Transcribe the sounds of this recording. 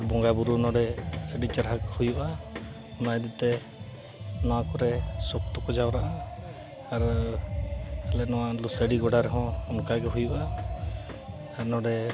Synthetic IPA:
ɾbɔŋɡabuɾunɔɽɛeɖit͡ʃəɾɦakhujuʔa | ɔnajd̪it̪ɛ | nakɔɾɛsɔk̚t̪ɔkɔd͡ʒawɾaʔaː | ɾ | ɛlɛnɔwalusəɽiɡɔɽaɾɛɦɔ̃ɔnkaɡɔɦujuʔa | nɔɖɛ

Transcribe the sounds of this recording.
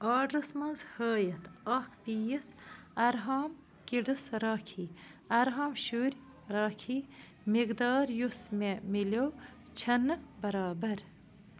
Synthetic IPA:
ɑːɖɾɐsmɐnzhəːjɐt̪ɐkpiːjisɐɾɦaːm | kiɖɨsɾaːkʰiːɐɾɦaːmʃuːɾʲ | ɾaːkʰiː | miɡd̪ɑːɾjusmemiloː | t͡ʃʰɐnɨbɐɾaːbɐɾ

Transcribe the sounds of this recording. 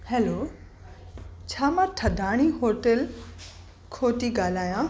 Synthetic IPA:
hɛːloː | t͡ɕʰaːmãːʈʰɐd̪ʱaːɽ̃iɦoːʈəl | kʰoːt̪iɡaːl̤aːjãː

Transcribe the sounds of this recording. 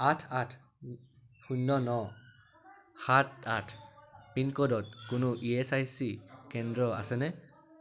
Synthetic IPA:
atʰatʰ | xunːɔnɔ | xatatʰpinkɔdɔt̚kʊnʊʔiesajsikɛndɹɔa̰sɛnɛ

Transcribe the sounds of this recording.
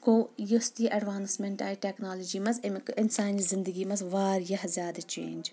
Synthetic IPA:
koːjust̪iːʔɐɖʋaːnsmeɳʈaːjʈeːknaːlod͡ʒiːmɐzmɪnsaːnizɪnd̪əɡiːmɐzʋaːɾjɐɦzjaːd̪ɐt͡ʃḛːnd͡ʒ

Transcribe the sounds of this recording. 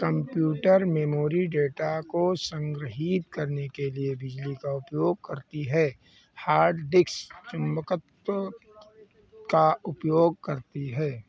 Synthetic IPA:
kɐ̃mpjuːʈəɾmɛmoːɾiɖeːʈakosə̃ŋɡɾəɦiːt̪kɐɾnekeliebɪd͡ʒlikaʊpjoːɡ̚kɐɾt̪iɦɛː | haːɾɖɖɪkst͡ʃʊnbəkət̪ | kaʊpjoːɡ̚kɐɾt̪iɦɛː

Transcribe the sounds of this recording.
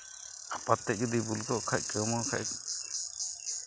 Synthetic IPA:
apat̪ːɛc̚ɡud̪ibulɡɔʔkʰac̚kɛmɔkʰa̰ʔ

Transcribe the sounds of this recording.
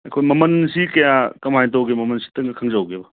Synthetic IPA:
ɐjkʰojmɐmɐnsikɐjakɐmajt̬owɡemɐmɐnsi̥tɐŋɡɐkʰɐŋzawɡebɐ

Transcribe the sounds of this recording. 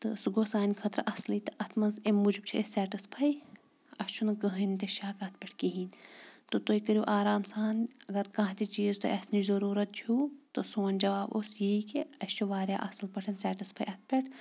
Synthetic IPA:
t̪ɨsuɡoːsaːnʲkʰɐt̪ɾ̰ʔɐslit̪ɐʔɐt̪ʰmɐnzemːud͡ʒib̚t͡ʃʰiesɛːʈispʰɐj | ɐst͡ʃʰunɐkɐɦint̪eʃaːkɐt̪ʰpʲeʈʰkiɦiːnt̪ot̪oːikəɾuʔaːɾaːmsaːnɐɡɐɾkãt̪it͡ʃiːzt̪oʔesnizɐɾuːɾɐt̪̚t͡ʃʰut̪osoːnʲd͡ʒɐʋaːbosjiikeɐst͡ʃʰuʋaːɾja̰ːʔɐslpɐʈʰɐnsɛːʈispʰajʔɐt̪̚ʰpʲeʈʰ

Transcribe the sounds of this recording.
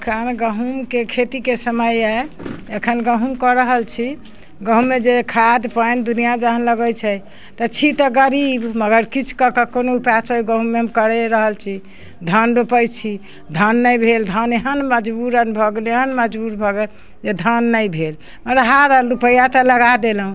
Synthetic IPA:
kʰənɡəɦumkekʰet̪ikesəməjaekʰənɡəɦumkɔɾəɦəlt͡ʃʰi | ɡəɦũmed͡ʒekʰad̪pənd̪unijad͡ʒaɦənləɡəjt͡ʃʰɛ | t̪ət͡ʃʰit̪əɡəɾibməɡəɾkit͡ʃʰu̥kəkəkonoupat͡ʃəɡə̃ɦũmeɦəmkəɾɛɾəɦəlt͡ʃʰi | d̪ʱənɾupəjt͡ʃʰi | d̪ʱənːəjbʱeld̪ʱəneɦənməd͡ʒbuɾənbʱəɡleɦənməd͡ʒbuɾbʱəɡɛ | d͡ʒed̪ʱənːəjbʱel | məɾɦaɾəupəjat̪ələɡad̪elɦũ

